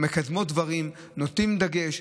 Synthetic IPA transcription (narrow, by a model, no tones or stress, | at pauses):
me̞kad̪mod̪vaʁim | not̪imd̪aɡe̞ʃ